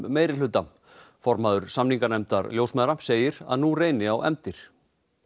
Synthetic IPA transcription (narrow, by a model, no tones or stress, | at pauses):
mːeːjɾɪl̥ʏt̪ːam | fɔɾmaðʏɾ̥samniŋkanɛmt̪aɾljoːwsmɛːðɾḁseːjɪɾa̰ðnureːjnɪawʔɛ̰mt̪ɪɾ̥